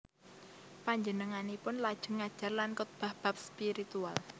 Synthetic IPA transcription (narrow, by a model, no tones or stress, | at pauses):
paɲd͡ʒənəŋanipʊnlad̥ʒ̥ə̤ŋad̥ʒ̥a̤rlankɔt̪̚b̥a̤hb̥a̤p̚spiɾit̪ual